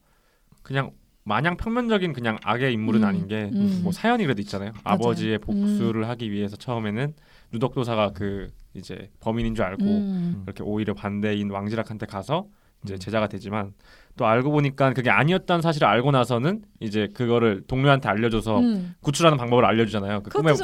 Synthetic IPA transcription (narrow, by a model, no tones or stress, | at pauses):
kɯɲaŋ | maɲaŋpʰjʌŋmjʌnd͡ʑʌɡinkɯɲaŋa̰ɡe̞imːuɾɯnaɲinɡe̞mʌsʰajʌɲikɯɾe̞doit̚t͡ɕ͈anajoa̰bʌd͡ʑie̞pok̚s͈uɾɯɭɦaɡiɥiɦe̞sʰʌt͡ɕʰʌme̞nɯnː | udok̚t͈osʰaɡakɯid͡ʑe̞̰pʌminind͡ʑuaɭɡoiɾʌkʰe̞̰ʔoiɾjʌpande̞inwaŋd͡ʑiɾakʰantʰekasʰʌ | ind͡ʑe̞t͡ɕe̞d͡ʑaɡadwe̞d͡ʑiman | t͈oaɭɡoboɲik͈ankɯɡe̞aɲiʌt̚t͈ʌnɯnsʰaɕ̬ʰiɾɯɭaɭɡonasʰʌnɯnid͡ʑe̞kɯɡʌɾɯɭtoŋɲoɦantʰe̞aʎːʌd͡ʑosʰʌkut͡ɕʰuɾɦanɯnpaŋbʌbɯɾaʎːʌd͡ʑud͡ʑanajokɯɯme